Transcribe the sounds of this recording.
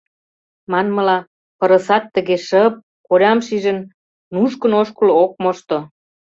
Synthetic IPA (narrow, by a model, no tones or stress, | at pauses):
mɑnmə̆lɑ | pə̆ɾə̆sɑt̪ːəɣeʃəp̚ | koɾʲɑmʃiʒən | nuʃkənoʃkulok̚moʃt̪o